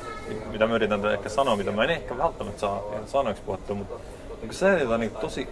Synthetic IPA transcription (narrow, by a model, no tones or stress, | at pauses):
mit̪æmɑyɾit̪ːɑnt̪æehkːæsɑnomit̪æmɑenehkæʋælt̪ːæmæt̪sɑːesɑːnoekspuhet̪ːˑumut̪ | ukuseːet̪ɑniɡt̪osi